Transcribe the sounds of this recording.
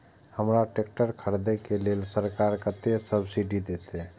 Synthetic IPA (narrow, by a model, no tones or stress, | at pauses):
həmɾaʈek̚ʈəɾkʰəɾd̪ekelelsəɾkaɾkət̪esəbsiɖid̪et̪ɦɛ